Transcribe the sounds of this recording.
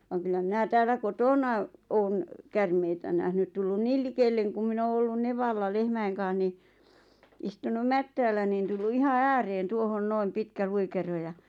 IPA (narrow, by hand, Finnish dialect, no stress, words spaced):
ʋɑŋ kylːæ minæ tæːlˑæ kotoˑnɑ oːn kærmeitæ næhnyt tulːun niːl likelːeŋ kum min oː olːun neʋɑlːɑ lehmæiŋ kɑ̃ːh ni istunum mætːæːlːæ nin tulːu ihɑ æːreːn tuohon noim pitkæ luikero jɑ